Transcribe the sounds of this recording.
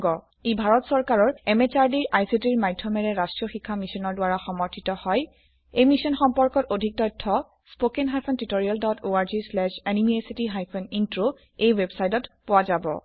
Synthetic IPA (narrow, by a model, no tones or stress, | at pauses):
ɡɔ | ibʱaɹɔtsɔɹkaɹɔɹɛmet͡ʃaɹdiɹʔajsitiɹmajdʱːɔmɛɹɛɹastɹɔxikʰːamisɔnɔɹdʊwaɹaxɔmɔɹtʰitɔhɔj | ejmisɔnxɔmpɔɹkɔtodʱik̚tɔjtʰːɔ | sspokenɦajpʰɔntitoɹialdɔtʰoaɹzislɛʃɛnimiesitiɦajpʰɔnintɹo | ejwebsajtɔtpʊwazabɔ̰